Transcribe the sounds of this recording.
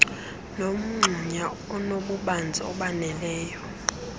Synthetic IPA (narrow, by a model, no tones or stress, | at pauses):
nom̩ŋ͡ǁʱuɲa | ɔnoɓuɓand͡zʱɛɔɓanɛlɛːjɔ